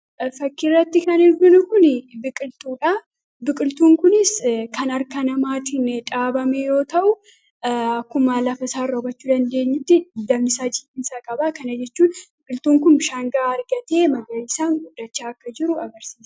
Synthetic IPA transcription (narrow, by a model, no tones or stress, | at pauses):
fɐkːɪrːɐt̪ːɪkɐnɪɾɡʊnʊkʊnbɪkʼɪlt̪uːᶑa | bɪkʼɪlt̪uːŋkʊnɪskɐnɐɾkɐnɐmaːt̪ɪnᶑʼaːbɐmejo̞ːt̪ɐʔʊ | ɐkːʊmaːlɐfɐsaːrːobɐt͡ʃːuːd̪ɐnd̪e̞ːɲːʊt̪ːɪd̪ɐbnɪsaːd͡ʒɪkːɪnsaːkʼɐbaːkɐnɐd͡ʒɛt͡ʃːuːnbɪkʼɪlt̪uːŋkʊnʃaːŋɡaːɐɾɡɐt̪e̞ːmɐɡɐlɪsaːŋɡʊd̪ːɐt͡ʃːaːɐkːɐd͡ʒɪɾʊɐɡɐɾsiːsɐ̥